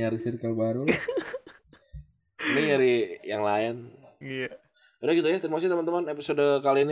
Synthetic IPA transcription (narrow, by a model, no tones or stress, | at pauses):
ɲaɾisiɾkalbaɾu | miɲaɾijaŋlaɪnija | udaɡit̪ujat̪ənmas̬t̪əmənt̪əmanepisodokalin